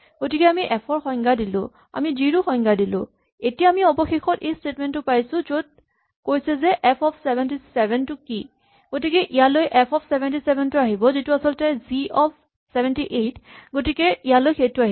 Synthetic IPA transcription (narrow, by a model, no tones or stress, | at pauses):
ɡ̥otikɛamiʔɛpʰɔɹxɔ̃jŋɡadilʊ̰̃ | a̰mid͡ʒiɹuxɔjŋɡadilʊ̰̃ | etijaːmiɔbɔxexɔtejstetmɛntʊpajsʊ̃zot̚ | kojsɛzɛʔɛpʰɔpʰsɛbʱɛntisɛbʱɛntʊki | ɡ̥otikɛʔijalojʔɛpʰɔpʰsɛbʱɛntisɛbʱɛntuaɦibɔzituasɔltɛziɔpʰ | sɛbʱɛntiʔetɡotikɛijalojxejtʊaɦi